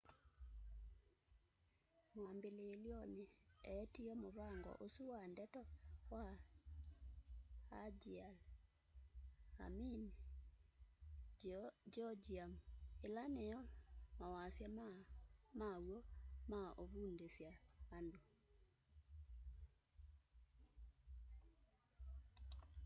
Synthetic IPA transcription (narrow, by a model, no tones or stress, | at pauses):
mwambeleːljɔneɛtiɔmoβaŋɡɔ̰ʔosuwandɛtɔwa | ad͡ʒial | a̰min | d͡ʒɔd͡ʒiamelanejɔmawasjam | mawomaʔoβundesjaando